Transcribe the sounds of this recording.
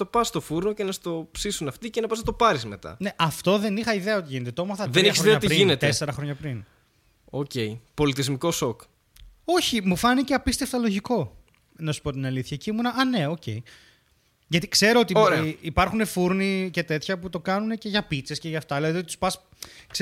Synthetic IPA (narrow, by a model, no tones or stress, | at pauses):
t̪o̞pɐst̪ofuɾnocenɐst̪o̞psisunɐft̪icenɐpɐst̪o̞pɐɾizme̞t̪ɐ̰ne̞ʔɐft̪o̞ðe̞nixɐiðeɐo̞t̪iʝine̞t̪e̞t̪oomoɾθɐðenɾiçisoeoɐt̪ɾiinet̪ese̞ɾɐxɾoɲɐpɾin | oce̞ipo̞lit̪izmiko̞sok | o̞çimufɐnice̞ɐpist̪e̞ft̪ɐlo̞ʝiko̞ | nɐsu̥po̞t̪inɐliθçɐcimunɐʔɐne̞o̞ce̞ji | ʝɐt̪ikse̞ɾo̞ot̪ioɾeipɐɾxune̞fuɾnice̞t̪e̞t̪çɐput̪o̞kɐnune̞ce̞ʝɐpit͡se̞sceʝɐft̪ɐlet̪ot̪it̪u̥spɐs | ks